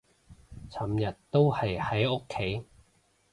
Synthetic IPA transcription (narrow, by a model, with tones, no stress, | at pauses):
t͡sʰɐ˨˥mjɐ˨tt̪o˥whɐ˨jhɐ˨˥jo˥kʰːe˨˥j